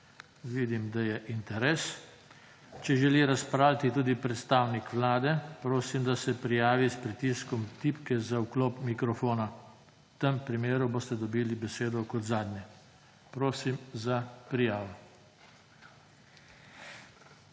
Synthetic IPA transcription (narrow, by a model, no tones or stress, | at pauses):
ʋiːd̪imd̪ajɛʔint̪ɛɾeːs | t͡ʃɛʒɛliɾaspɾaːwlʲat̪it̪uːd̪ipɾɛt̪st̪aːwnikʋlaːd̪ɛpɾoːsimd̪asɛpɾijaːʋispɾit̪iːskɔmt̪ipkɛzaukloːpmikɾɔfoːna | t̪əmpɾimeːɾuboːst̪ɛd̪ɔbiːlibɛseːd̪ɔkɔt̪zaːd̪nʲjɛ | pɾoːsimzapɾijaːʋɔ